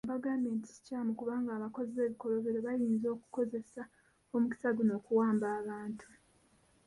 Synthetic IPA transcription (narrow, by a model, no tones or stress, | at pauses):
baɡameːnti̥i̥caːmukuβaːŋɡaːβako̞ziβe̞ːβiko̞lo̞βeɾoβajiːnzo̞ːku̥ko̞ze̞sa | o̞muki̥saɡuno̞ːkuwaːmbaːβaːntʰu̥